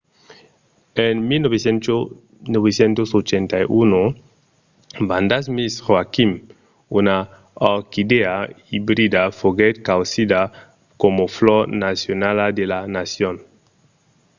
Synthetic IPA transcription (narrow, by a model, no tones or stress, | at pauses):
enmilnoβesen | noβesjent̪osot͡ʃent̪ajʔuno | band̪asmisʁwakim | una | ɔkid̪ea | ibɾid̪afoɡet̪kawsid̪a | komoflɔɾnasjonalad̪elanasjon